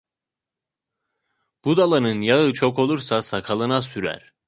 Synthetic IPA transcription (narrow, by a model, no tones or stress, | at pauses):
b̥ud̪alˠanɯnjaɯt͡ʃʰo̞ko̞lˠuɾsasakʰalˠɯnasyɾæ̰ɾ̥